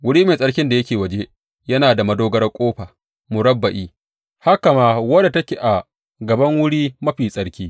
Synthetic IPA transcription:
wʊ˦ɽiː˦meː˨sʼɐ˦ɽkʲɪ˦nda˨jɐ˦kʲeː˨wɐ˨d͡ʒe˦ | jɐ˦naː˨da˨mɐ˦doː˦ɡɐ˦rkʷʼoː˦ɸaː˨ | mʊ˨ɾɐ˦bːɐ˨ʔiː˦ | ha˦ka˨maː˦wɐ˦da˨tɐ˦kʲe˨ʔa˨ | ɡɐ˨bɐ˦ŋwʊ˦ɽiː˦mɐ˦ɸiː˨sʼɐ˨ɽkʲiː˦

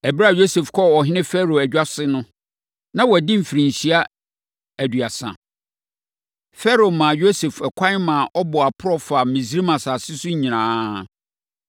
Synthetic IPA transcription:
æ˨bɾa˦˨jo˦se˨fkʰɔ˦ɔ˨ɦɪ˦nɪ̃˦fɛ˦ɾo˨æ˨d͡ʑᶣa˦sɪ˦nʊ̃˦ | nã˦wɔ˨dɪ̃˦m̩˨fi˨ɾĩ˨ɲ˨ɕi˦a˦ | æ˨dɥa˨sã̰˨ | fɛ˦ɾo˨mã˨jo˦se˨fɛ˨kʷʰã˦mã˨ʔɔ˦bɔ˨a˨pʰʊ˦ɾɔ˦fa˨mĩ˨zi˦ɾi˦mã˨saː˨sɪ˦sʊ˦ɲ˦ɲĩ˨nãː˦

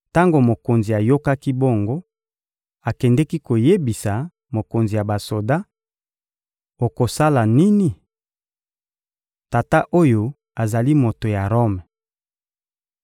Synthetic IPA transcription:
ta˦ŋɡo˨mo˨ko˨nzi˨a˨jo˦ka˦ki˦bo˦˨ŋɡo˦ | a˨kɛ˨ndɛ˦ki˦ko˨je˦bi˨sa˨ | mo˨ko˨nzi˨ja˨ba˨so˨da˦ | o˨ko˨sa˦la˨ni˦ni˨ | ta˨ta˦ʔo˦jo˦ | a˨za˨li˦mo˨to˨ja˨ʁo˦m˨

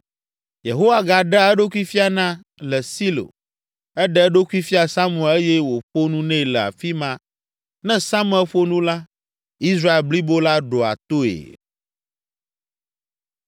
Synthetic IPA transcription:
je˨ɦo˦wa˦ɡa˨ɖɛ˦ɛ˦ɖo˦ku˦i˦fi˦a˨nã˦ | lɛ˨si˦lo̰˨ | ɛ˦ɖɛ˦ɖo˦ku˦i˦fi˦a˨sa˦mũ˨ɛ˨le˦jɛ˦wo˨ɸo˦nũ˦nɛ̃˦˨lɛ˨a̰˨fi˦mã˦ | nɛ̃˦sa˦mũ˦ɛ˦lɸo˦nũ˦la˦ | i˦s̬ɾa˦e˨lbli˦bo˦la˦ɖo˨a̰˨t̪o˦ḛ˨

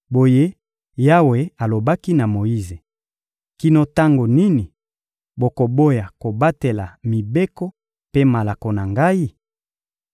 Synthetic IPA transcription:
bo˨je˦ | ja˦we˨a˨lo˨ba˦ki˦na˨mo˨i˦ze˨ | ki˦no˦ta˦ŋɡo˨ni˦ni˨ | bo˨ko˨bo˦ja˨ko˨ba˦te˨la˨mi˨be˦kɔ˦ | pe˦ma˨la˨ko˨na˨ŋɡa˦i˦

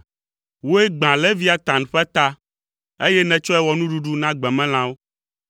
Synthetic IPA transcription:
wo˦ɛ˦ɡ͡bã˨lɛ˦vi˦a˨t̪ã˨n˨ɸɛ˦t̪a˦ | e˦jɛ˦nɛ̃˨t͡ʃɔ˦ɛ˦wɔ˨nũ˦ɖu˦ɖu˦nã˦ɡ͡bɛ̃˨mɛ̃˦l̃ã˦wo˦

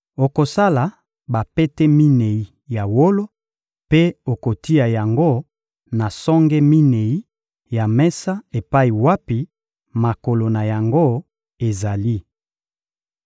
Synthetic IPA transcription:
o˨ko˨sa˦la˨ | ba˨pe˦tɛ˦mi˦ne˨i˦ | ja˨wo˦lo˦ | pe˦o˨ko˨ti˦ja˨ja˨ŋɡo˦ | na˨sɔ˦ŋɡɛ˦mi˦ne˨i˦ | ja˨mɛ˦sa˦e˨pa˦i˨wa˦pi˨ | ma˨ko˨lo˨na˨ja˨ŋɡo˦ | e˨za˨li˦

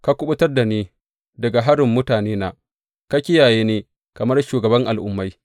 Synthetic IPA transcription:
ka˦kʷʊ˦ɓʊ˦tɐ˦rda˨niː˦ | dɐ˨ɡa˨ɦa˦ɽɪ˨mːʊ˦taː˨neː˦na˨ | ka˦kʲɪ˦jaː˨jeː˦neː˦ | kɐ˨mɐ˦rʃuː˨ɡɐ˨bɐ˦ŋʔa˨lʔʊ̰˦mːa˦j

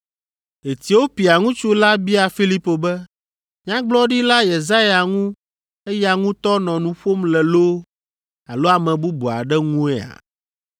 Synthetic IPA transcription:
e˨t̪i˨wo˦pi˨a˨ŋũ˦t͡ʃu˦la˦bi˦a˨fi˦li˦po˨bɛ˦ | ɲã˦ɡ͡blɔ˦ɖi˦la˦je˨za˦ja˨ŋũ˦ | e˦ja˨ŋũ˦t̪ɔ˦nɔ̃˨nũ˨ɸo˦mlɛ˨lo˦ | a̰˨lo˦a˨mɛ̃˨bu˦bu˨a˨ɖɛ˦ŋũ˦ɛ˦a̰˨

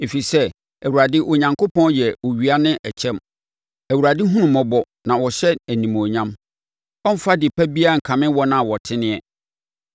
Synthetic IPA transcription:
e˨fi˨sɛ˦ | æ˨wu˨ɾa˨dɪ˦ʔo˨ɲã˨ŋkʰo˦pʰɔ̃˦njɛ˨wo˨ɥi˨a˦nɪ̃˦ʔɛ˨t͡ɕʰɛ̃˦m | æ˨wu˨ɾa˨dɪ˦ɦũ˦nʊ̃˨mɔ̃˦bɔ˦ | nã˨wɔ˨ɕɛ˦æ˨nĩ˨mo˨ɲã˦m | ɔ˦m̩˦fa˦dɪ˨pʰæ˦bi˦a˦ŋ̩˨kʰã˨mɪ̃˦wɔ˦nã˦˨wɔ˨tʰɪ˦nɪ̃˦ɛ˦

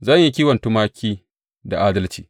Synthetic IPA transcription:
zɐ˦˨ɲji˦kʲiː˦wɐ˨ntu˦maː˦kʲʰiː˦ | da˨ʔaː˦dɐ˦lt͡ʃiː˨

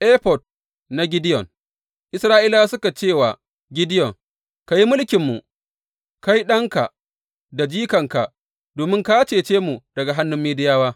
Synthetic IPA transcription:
ʔe˦ɸɔ˨d̚ | na˨ɡʲɪ˦dɪ˦jɔ˨n | ʔɪ˦sɾaː˦ʔiː˦laː˦sʊ˦ka˨t͡ʃeː˦˨wa̰˨ | ɡʲɪ˦dɪ˦jɔ˨ŋ | ka˨ji˦mʊ˦lkʲɪ˨mːu˨ | ka˦ji˦ɗɐ˦ŋka˨ʔ | da˨d͡ʒiː˦kɐ˨ŋka̰˨ | doː˨mɪ˦ŋka˦t͡ʃeː˨t͡ʃeː˦mu˨d̥ɐ˨ɡa˨ɦa˦nːʊ˦mːeː˦dɪ˦jaː˦waː˦

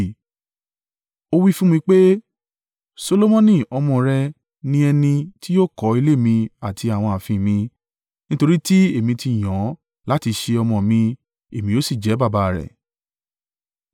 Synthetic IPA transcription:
o˧wi˦fũ˦mĩ˧k͡pe˦ | so˧lo˦mɔ̃˦nĩ˦˨ɔ˧mɔ̃˧˨ɾɛ˧ | nĩ˧ɛ˧nĩ˧ti˦jo˦kɔ˨˦i˧le˦˨mĩ˧a˨tʰi˧a˨w̃ɔ̃˧a˨fĩ˨mĩ˧ | nĩ˦to˧ɾi˦ti˦e˦˨mĩ˧ti˧˨j̃ɔ̃˨˦ | la˦ti˧ʃe˧ɔ˧mɔ̃˨mĩ˧ | e˨mĩ˧jo˦si˦˨d͡ʒɛ˨˦ba˦˨ba˧˨ɾɛ̰˨

